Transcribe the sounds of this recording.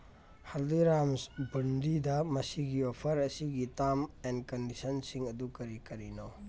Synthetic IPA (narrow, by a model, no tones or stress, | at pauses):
haldiɾamsbɐndidɐmɐsiɡiopʰɐɾɐsiɡitamenkɐndisɐnsiŋɐdukɐɾikɐɾino